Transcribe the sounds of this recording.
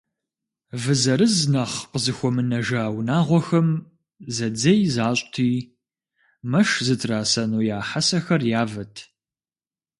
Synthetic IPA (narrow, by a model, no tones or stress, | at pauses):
vɨzɐɾɨznɐχqəzɨxʷɔmɨnɐʒawnaːʁʷɔxɐm | zɐd͡zɐjzaːɕʼtʰiː | mɐʂzɨtʰraːsɐnuːjaːħasɐxɐrjaːvɐtʰ